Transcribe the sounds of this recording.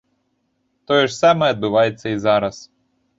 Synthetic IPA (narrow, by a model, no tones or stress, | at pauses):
t̪ɔjɛʒsɑmɛɐd̪̚bɪʋɑjet͡sʲːɐizɑɾɐs